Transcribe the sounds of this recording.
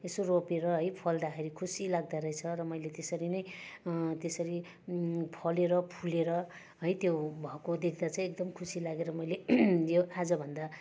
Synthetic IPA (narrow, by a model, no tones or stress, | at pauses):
esoropeɾʌɦʌjpʰʌld̪akʰeɾikʰusilaɡ̚d̪aɾʌjt͡sʰʌɾʌmʌjlet̪esʌɾinʌj | t̪esʌɾi | pʰʌleɾʌpʰuleɾʌ | ɦʌjt̪jobʱʌkod̪ekʰd̪at͡saj̃ekd̪ʌmkʰusilaɡeɾʌmʌjlejoad͡zʌbʱʌnd̪a